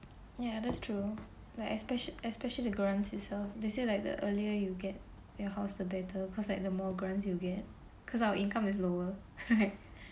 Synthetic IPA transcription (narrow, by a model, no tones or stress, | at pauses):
jadætstʰɹu | laɪʔɛspɛʃɛspɛʃəlidəɡɹãnsɪtsɛlfdeselaɪk̚də̰ʔəliəjuɡɛt̚ | jɔhaʊsdəbɛtʰəkʰɔslaɪk̚dəmɔɡɹãnsjuɡɛt̚ | kʰɔs̬awəʔĩnkãmɪs̬loə | ɹaɪt̚